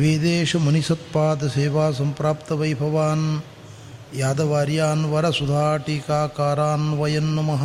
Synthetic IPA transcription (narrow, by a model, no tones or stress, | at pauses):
ʋeːd̪eːʃɐmɐnisɐt̪̚paːd̪ɐseːʋaːsɐmpɾaːpt̪ɐʋɐjbʱɐʋaːn | jaːd̪ɐʋaːɾjaːnʋɐɾɐsud̪ʱaːʈiːkaːkaːɾaːnʋɐjɐnːɐmɐɦ